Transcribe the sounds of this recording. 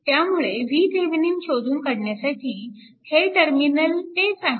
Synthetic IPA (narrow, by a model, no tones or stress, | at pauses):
t̪jamuɭeʋiːd̪ʱeʋniːnɕod̪uːnkəɽɳjasaʈʰiː | heʈəɾminəltet͡sa